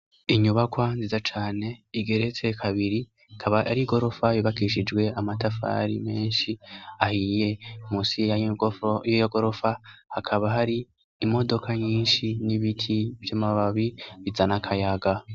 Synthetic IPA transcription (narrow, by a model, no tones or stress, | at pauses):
iɲuβakwanziːzat͡ʃaːne̞iɡe̞ɾet͡se̞kʰaβiɾi | kʰaβaa̰ɾiɡo̞ɾo̞faβiβakiʃid͡ʒɡwe̞amatafa̰ɾḭme̞ːnʃiahiːje̞musi | jojoɡo̞ɾo̞fahakʰaβaɦaɾiː | mo̞do̞kʰaɲiːnʃiniβitʰivjamaβaβiβizanakʰajaɡa